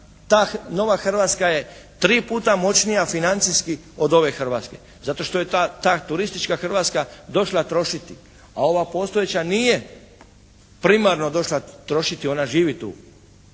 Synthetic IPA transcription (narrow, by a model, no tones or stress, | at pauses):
t̪aːno̞ʋaxr̩ʋat̪skaje̞ | t̪ɾiːpuːt̪amo̞t͡ɕnijafinant̪siski | o̞d̪o̞ʋe̞xr̩ʋat̪ske̞̰ | zat̪o̞ʃt̪ojet̪at̪aːt̪uɾist̪it͡ʃkaxrʋat̪skad̪o̞ʃlˠat̪ɾo̞ʃit̪i | ao̞ʋapo̞st̪ojet͡ɕanije | pɾimaɾno̞d̪o̞ʃlat̪ɾo̞ʃit̪io̞naʒiːʋit̪ṵː